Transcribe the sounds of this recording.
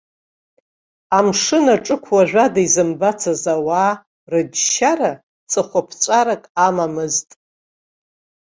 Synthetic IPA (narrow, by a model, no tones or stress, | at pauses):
amʂɨnaʈ͡ʂʼɨkʷʰwaʒᶣʷadaizɨmbat͡sʰazawaː | rɨd͡ʒʃaɾa | t͡sʰʼɨχʷapʰt͡ʃʷʼaɾakʼamamɨztʼ